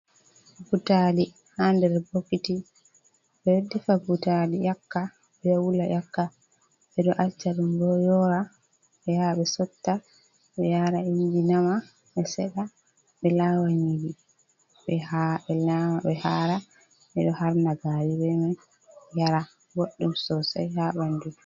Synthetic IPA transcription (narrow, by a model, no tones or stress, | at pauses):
abutali | handɛɾbokːiti | bɛwdifabutalijakːa | bɛwulajʔakːa | ɓɛɗɔʔalt͡ʃːaɾumbɔjɔɾa | ɓɛhaɓɛsɔtːa | ɓɛjaɾaindinama | ɓɛsɛɗa | ɓɛlawaɲidi | ɓɛhaɓɛlamaɓɛhaːɾa | ɓɛɗɔhaɾnaɡaɾibɛman | jaɾa | ɡoɗːumsɔsa̰jhabandu